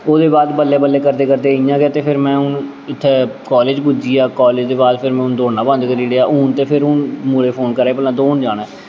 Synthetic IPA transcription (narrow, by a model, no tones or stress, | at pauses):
oːd̪eːbaːd̪bəlːeːbəlːeːkəɾd̪eːkəɾd̪eːɪjãːɡeaːt̪eːpʰɪɾmɛ̃ːʊn | ɪt̪ʰːeːkɔːleːd͡ʒbʊd͡ʒiːaːkɔːleːd͡ʒd̪eːbaːd̪pʰɪɾmɛ̃ːʊnd̪oːnãːbə̃nd̪kəɾiːɽeːaːʔʊːnt̪eːpʰɪɾʊnmuleːpʰoːnkəɾeːpəlːãːd̪oːnd͡ʒaːɽɛ̃ː